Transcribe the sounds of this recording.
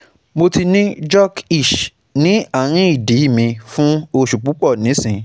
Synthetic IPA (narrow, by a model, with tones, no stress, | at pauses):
mo˧ti˧nĩ˦d͡ʒɔ˦ki˦˨ʃ | nĩ˨˦a˦˨ɾ̃ĩ˦i˦˨di˨˦i˦˨mĩ˧fũ˦o˧ʃu˨k͡pu˨˦k͡pɔ˦˨nĩ˨˦sĩ˨˧